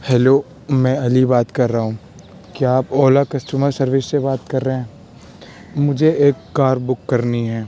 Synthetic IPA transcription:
hɛːloː | mɛ̃ːɐlibaːt̪kɐɾːaɦũː | kiaːpɔːlakɐsʈuməɾsɐɾʋɪsːebaːt̪kɐɾːɐɦɛ̃ː | mʊd͡ʒʱeeːkːaːɾbʊkːɐɾniɦɛː

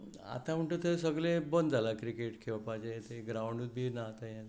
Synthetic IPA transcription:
a̰t̪ãm̤əɳʈət̪ʰəsəɡlẽbənd̪d͡zalakɾikeʈkʰeʋapad͡ʑeet̪eɡɾawɳɖut̪̚bʱinaɦt̪ajã

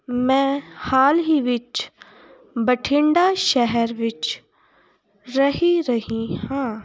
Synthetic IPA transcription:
mɛ̃ːhaːlɦiʋɪt͡ʃ | bəʈʰɪ̃ɳɖaʃɛɦɛɾʋɪt͡ʃ | ɾɐɦiɾɐɦĩhãː

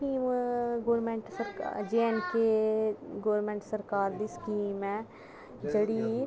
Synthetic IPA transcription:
iːmɡoːɾmẽɳʈsəɾkːd͡ʒenke | ɡoːɾmẽːɳʈsəɾkaːɾd̪iːskiːmɛ̃ː | d͡ʒeɽi

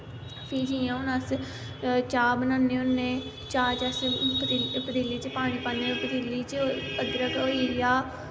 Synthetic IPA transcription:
pʰiːd͡ʒiːãːoːnəs | t͡ʃaːbənãːneʊnːẽː | t͡ʃaːt͡ʃəspːpəd̪iːlːiːt͡ʃpaːɽ̃iːpãːnẽpəd̪iːlːiːt͡ʃəɡɾəkoːiːɾɪjaː

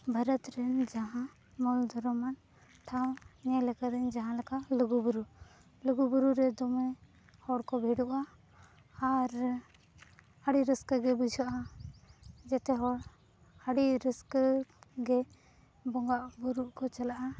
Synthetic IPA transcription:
bʱəɾət̪ɾɛnd͡ʒaɦã | mɔld̪ʱɔɾɔman | ʈʰaw̃ɲɛlɛkad̪ɛɲd͡ʒaɦãlakaluɡubuɾu | luɡubuɾuɾɛd̪ɔmɛ | hɔɽkɔbʱiɽuʔaː | ɾ | əɽiɾəskəɡɛbud͡ʒʱɔʔa | d͡ʒɛt̪ɛɦɔɽ | aɽiɾəskəɡɛ | bɔŋɡaʔbuɾuʔkɔt͡ʃalaʔa

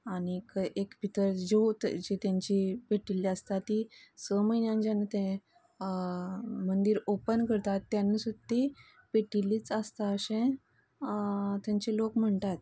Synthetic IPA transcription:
aɽ̃ikʔekbʱit̪əɾd͡ʑod͡ʑet̪jãɲt͡ɕipeʈilːiəst̪at̪ːisəməinjãnd͡ʑanat̪ẽ | mənd̪iːɾopənkəɾt̪at̪ːjanːəsut̪ːi | peʈilːiːt͡səst̪aəɕẽ | t̪jãɲt͡ɕelokm̤əɳt̪at̪

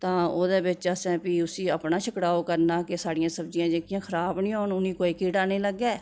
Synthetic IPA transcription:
t̪ãːoːd̪eːbɪt͡ʃəsɛ̃ːpiːʊsiːəpnaːʃʰəkɽaːoːkəɾnaːkɪsaːɽɪjãːsəbd͡ʒijãːd͡ʒeːkɪjãːkʰəɾaːbnĩːɦoːɳʊnĩːkoːiːkiːʈaːnĩːləɡːɛː

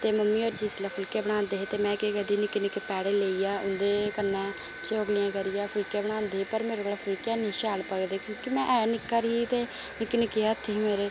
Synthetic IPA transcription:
t̪eːməmːiːoːɾt͡ʃiːslaːpʰʊlkẽːbəɽãːnd̪eːɦeːt̪eːmɛ̃ːkeːkəɖiːnɪkːnɪkːepɛːɽeːleːijaːʔʊnd̪eːkənːãː | t͡ʃoɡlɪjãːkəɾijaːpʰʊlkẽːbəɽãːnd̪eːiːpəɾmeːɾoɡlaːpʰʊlkãːnĩːʃaːlpəɡd̪eːkjõːkimɛ̃ːʔɛːnɪkːaːɾɦiːt̪eː | nɪkːnɪkːeaːt̪ʰːeːɦiːmeːɾeː

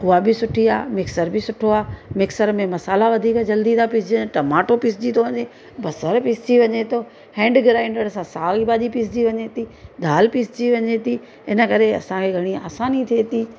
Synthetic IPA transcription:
ʊabɪsʊʈʰiaːmɪksəɾbʱɪsʊʈʰoaːmɪksəɾmẽmɐsaːlaʋɐd̪ʱiːkd͡ʑɐld̪it̪ʰapɪsd͡ʑiʈɐmaːʈopɪsd͡ʑit̪ʰoʋɐɲe | bɐsəɾpɪsd͡ʑiʋɐɲet̪ʰo | hɛ̃ːɳɖɡɪɾãːɪ̃ɳɖəɽɐsãsaːibaːʄipɪs̬d͡ʑiʋɐɲet̪id̪ʱaːlpɪsd͡ʑiʋɐɲet̪i | ɪnə̆kɐɾeɐ̰sãkʰeɡʱɐɽ̃ia̰ːsaːnit̪ʰet̪iː

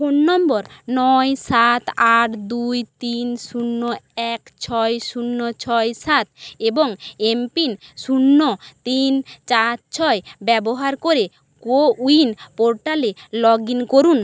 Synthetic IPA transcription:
kunːɔmboɾnɔjsat̪ʰaʈʰd̪ujt̪inʃunːoɛkt͡ɕʰɔjʃunːot͡ɕʰɔjsat̪̚eboŋempinʃunːot̪int͡ɕat̪t͡ɕʰɔebɛboɦaɾkoɾe | kouinpoɾʈalelɔɡinkoɾun

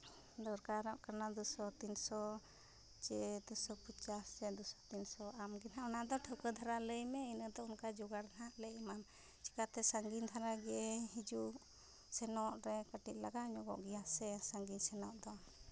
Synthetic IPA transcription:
d̪ɔɾkaɾɔʔkanad̪usɔt̪insɔ | t͡ʃɛd̪ɔsɔpət͡ʃast͡ʃɛd̪usɔ̥t̪insɔamɡɛnaɔnad̪ɔʈʰəwkəd̪ʱaɾaləjmɛinəd̪ɔunkad͡ʒuɡaɾd̪ʱaaʔlɛʔimam | t͡ʃi̥kat̪ɛsaŋɡind̪ʱaɾaɡɛɛɦid͡ʒu | sɛnɔʔɾɛkaʈiʔ̚laɡaɲɔɡɔ̰ʔɡɛjasɛsaŋɡiɲsɛnɔʔd̪ɔ

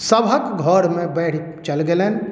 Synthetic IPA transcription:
səbʱəkɡʱɔɾmẽbɛːʈʰ | t͡ʃəlɡelen

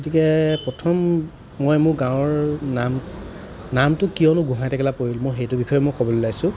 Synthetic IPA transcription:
ɡotikɛpɹɔtʰɔmː | ɔjmʊɹɡãw̃ɔɹnam | namtʊkijɔnʊɡʱũɦajtɛkɛlapoɹilmɔjxejtʊbixɔjɔmɔjkɔbɔlʊlajsʊ̃

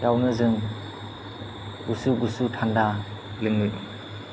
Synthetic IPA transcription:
jawnɯzɯŋ | ɡusuɡusutʰanda | lɯŋlɯ

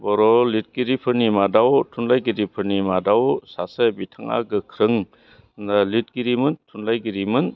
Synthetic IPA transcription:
bɔɾɔlit̚ɡiɾipʰɯɾnimadawtʰunlajɡiɾipʰɯɾnimadawsasebitʰaŋa̰ɡɯkʰɾɯŋ | nalit̚ɡiɾimɯntʰunlajɡiɾimɯn

